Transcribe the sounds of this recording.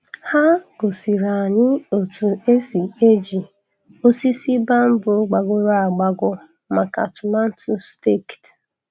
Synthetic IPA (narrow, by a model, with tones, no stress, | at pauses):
ha˦ɡo˨si˨ɾa˨ɲɪ˦o˨tu˨e˦si˨e˦d͡ʒi˨ | o˦si˦si˦ba˦m̩˦bʊ˨˦ɡ͡ba˨ɡʊ˦ɾa˦a˨ɡ͡ba˦ɡʊ˦ | ma˨ka̰˨tʊ˨ma˦n̩˦tu˦ste˦˨kt